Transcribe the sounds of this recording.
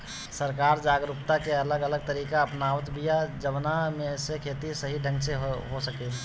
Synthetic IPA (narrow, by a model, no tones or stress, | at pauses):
səɾkaːɾd͡ʒaːɡɾupt̪akeɐləɡələɡ̚t̪əɾiːkaɐpnaːʋət̪bʱijad͡ʒəʋnamẽsekʰeːt̪isəɦiɖʱə̃ŋɡseɦɦosəke